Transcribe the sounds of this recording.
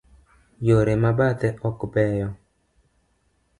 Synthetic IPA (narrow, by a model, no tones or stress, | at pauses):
joɾemabat̪ɛʔɔkbɛjɔ